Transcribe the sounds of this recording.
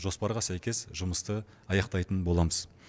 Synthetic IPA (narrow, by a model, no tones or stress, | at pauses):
ʒo̞spɑɾʁɑsæjkʲe̞sʒʊməst̪ə | ɑjɑqt̪ɑjt̪ənbo̞lˠɑməz̥